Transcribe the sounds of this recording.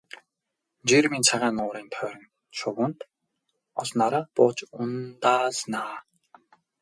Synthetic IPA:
d͡ʑirmint͡sʰaʁaːnʊːɾiːnt̪ʰœːɾə̆n | ʃʊwə̆nt̪ | ɔɮnaɾaːpʊːt͡ɕʊnt̪aːsnaː

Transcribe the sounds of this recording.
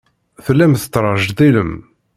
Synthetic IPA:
θəlːæmθə̥t̪ːɾˤɑʒd̪iləm

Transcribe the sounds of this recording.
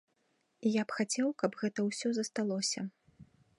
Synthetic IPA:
ijapxat͡sʲɛwkɐbɣɛt̪ɐwsʲɔzɐst̪alˠɔsʲɐ

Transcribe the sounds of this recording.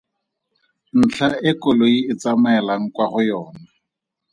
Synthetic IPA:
n̩t͡ɬʰaɪkʊloiɪt͡samɛɛlaŋ̩kwaχʊjɔːna

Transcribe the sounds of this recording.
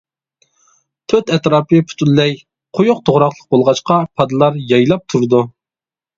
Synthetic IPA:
t̪ʰøt̪ɛt̪ɾɑːpʰɨpʰu̥t̪ʰulːɛj | qʰojʊq̚t̪ʰoʁɾɑqlˠə̥q̚bolˠʁɑt͡ʃqɑpʰɑd̪ɨlˠɑɾjɑjlˠɑp̚t̪ʰuɾɨd̪u

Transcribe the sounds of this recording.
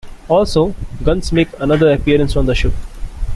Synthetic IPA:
ɔːlsoːɡʌ̃nsmeːkənʌd̪əɾɐpiəɾə̃nsɔ̃nd̪əʃɪp

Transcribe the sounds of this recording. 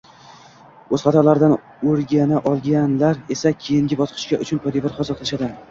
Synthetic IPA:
ɵzχat̪ʰalaɾd̪an | oɾɡʲanaʔɒlˠɡʲanlaɾe̞sakʲʰejɪŋɡʲɪbɒsqʰɨ̥ʃkʲaʔʊt͡ʃʰʊnpʰɒd̪evɒɾχɒzɒt̪lɪʃad̪ɪ

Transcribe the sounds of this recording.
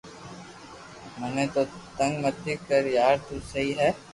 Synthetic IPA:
mɛnẽt̪ot̪ɐ̃ŋɡmɐt̪ːɪkːɐɾjaːɾt̪osɐɦiɦɛː

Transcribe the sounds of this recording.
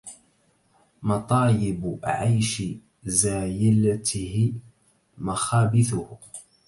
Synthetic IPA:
mɑt̪ˤɑːlɪbʕajʃɪ | zaːjɪlat̪ɪhɪ | maxaːbɪθʊh

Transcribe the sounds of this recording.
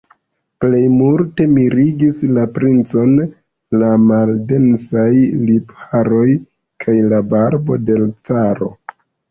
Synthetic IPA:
ple̞jmuɾte̞miɾiɡislapɾint͡so̞n | lamalde̞nsajlipaɾo̞j | kʰajlabaɾbo̞̰de̞lt͡saɾo̞

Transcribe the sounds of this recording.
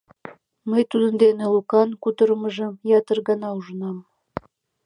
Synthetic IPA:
məjt̪ud̪ənd̪enelukɑnkut̪əɾəməʒə̆mjɑt̪ərɣɑnɑuʒənɑm

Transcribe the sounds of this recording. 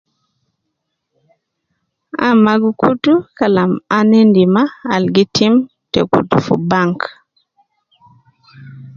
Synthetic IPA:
a̰maɡukutukalamanɛndimaːlɡitʰim | tɛkṵtufṵbaŋk

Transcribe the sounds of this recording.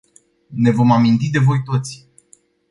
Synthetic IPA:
ne̞vo̞mamint̪id̪e̞vo̞jt̪o̞t̪sʲ

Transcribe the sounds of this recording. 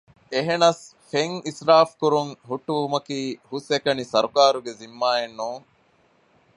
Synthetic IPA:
eɦenɐsfeŋisɾaːfkuɾuŋɦuʈːuʋumɐkiːhusekɐnisɐɾukaːɾuɡezimːaːenːuːŋ

